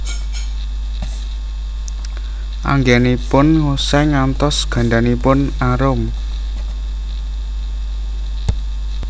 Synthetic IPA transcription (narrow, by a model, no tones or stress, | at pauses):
ʔa̰ŋɡɛnipʊnŋosɛŋant̪ɔsɡ̥a̤ɳɖanipʊnaɾʊm